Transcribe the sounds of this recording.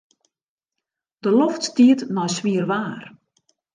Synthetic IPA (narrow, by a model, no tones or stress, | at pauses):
d̥əlɔftstiətnɔjsʋiərʋaːr